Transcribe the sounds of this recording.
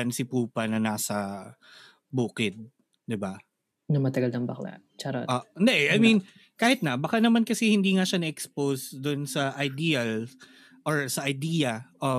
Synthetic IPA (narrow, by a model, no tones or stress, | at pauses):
ɐnsɪpuːpɐnɐnaːsɐ | buːkɪd̪̚ | d̪ɪba | nɐmɐt̪ɐɡɐlnɐŋbɐkla̰ | t͡ʃɐɾo̰ʔoːʔɪnd̪ɛʔɛʔajmin | kaːhɪt̪̚nɐbɐkanɐmankɐsɛhɪnd̪iːŋaʃanɐʔɛksposd̪ʊnsɐʔɐjd̪iːɐl | ʔoɹsɐʔɐjd̪iːɐʔo